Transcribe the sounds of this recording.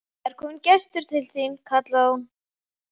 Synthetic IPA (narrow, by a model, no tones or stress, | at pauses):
ɛɾ̥kʰɔːmncɛst̪ʏɾ̥t̪ʰɪlθinkʰat̪laðun